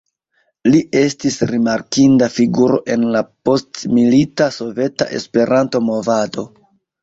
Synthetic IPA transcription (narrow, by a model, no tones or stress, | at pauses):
liʔe̞stisɾimaɾkindafiɡuɾo̞̰ʔe̞nlapo̞stmilitaso̞ve̞ta̰ʔe̞̰spe̞ɾʔanto̞mo̞vado̞